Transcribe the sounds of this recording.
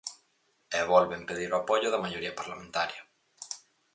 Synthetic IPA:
ɛβolβempeðiɾoapoʎʊðɐmaʝoɾiɐpaɾlamẽnt̪aɾjɐ

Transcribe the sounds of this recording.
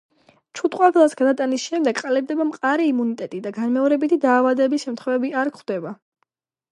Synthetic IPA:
t͡ʃʰut̪ʼqʼwaɡlˠasɡad̪at̪ʼanisʃɛmd̪ɛɡqʼalɛb̚d̪ɛbamqʼaɾiːmunit̪ʼɛt̪ʼid̪aɡanmɛɔɾɛbit̪ʰid̪aːvad̪ɛːbisʃɛmt̪ʰχwɛvɛbiaɾkχwd̪ɛba

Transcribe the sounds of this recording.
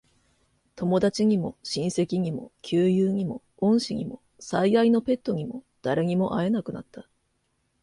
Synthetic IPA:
t̪o̞mo̞d̪at͡ɕiɲ̟imo̞̰ɕĩɰ̃se̞kʲiɲ̟imo̞̰kʲʰɨːjɯːɲ̟imo̞̰ | õ̞ɰ̃ɕiɲ̟ʲḭmo̞̰ | saiaino̞pe̞t̪ːo̞ɲ̟imo̞d̪̥aɾe̞ɲ̟imo̞ʔae̞nakɯ̟na̰t̪ʰːa

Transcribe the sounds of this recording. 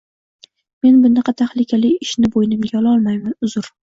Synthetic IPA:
me̞nbʊnɑqɑt̪ʰaχlɪkʲʰalɪɪʃnɪbojnɪmɡʲajɒlˠɒlˠmajmanʊzʊɾ

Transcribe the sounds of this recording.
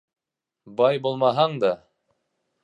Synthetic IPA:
bɑjbulˠmɑɦɑɴd̪ɑ

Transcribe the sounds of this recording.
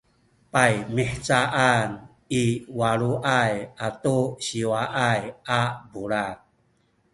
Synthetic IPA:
pajmiħt͡saʔan | iwaɾuʔajatuɕiwaʔajabuɭat̚

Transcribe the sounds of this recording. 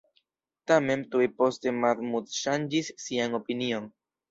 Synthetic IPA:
tame̞ntuepo̞ste̞maɾmutʃand͡ʒisːiano̞pinio̞n

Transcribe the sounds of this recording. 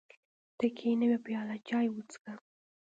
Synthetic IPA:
t̪əkʰenəwepjɑlat͡ʃɑjwut͡ska

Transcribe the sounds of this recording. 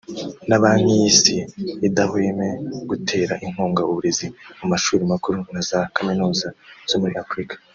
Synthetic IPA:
naβaːn̥hijiːsiːdahwe̞ːme̞ɡ̥utʰe̞ːɾaʔiŋ̥huːŋɡauβuɾe̞zimumaʃuːɾimakuɾunazakaminuːzaz̥o̞muɾiafɾikḁ

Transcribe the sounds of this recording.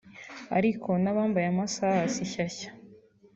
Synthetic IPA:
a̰ɾikʰo̞naβaːmbajamasasiçaçḁ

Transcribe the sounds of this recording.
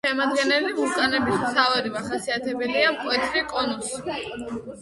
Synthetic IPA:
ɛmad̪ɡɛnɛlimut̪ʼanɛbismt̪ʰavaɾivaχasiat̪ʰɛbɛliamkʼwɛt̪ʰɾikʼɔnɔsi̥

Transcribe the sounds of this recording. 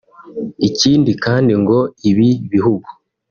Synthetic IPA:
iciːndikaːndiŋɡo̞iβiβiɦuɡu̥

